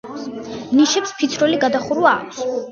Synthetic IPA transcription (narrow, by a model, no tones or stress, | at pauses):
niʃɛpspʰit̪sʰɾɔliɡad̪aχuɾwaːkʷʰs